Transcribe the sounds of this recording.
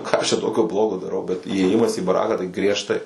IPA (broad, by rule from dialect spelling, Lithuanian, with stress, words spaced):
ˈkɑː ɐʃ t͡ʃʲɛ ˈtoːkʲoː ˈblˠoːɡoː dɐˈrɐʊ bʲɛt iːeːˈjɪmɐs iː bɐˈrɑːkɑː tɐɪ ɡrʲiɛʃˈtɐɪ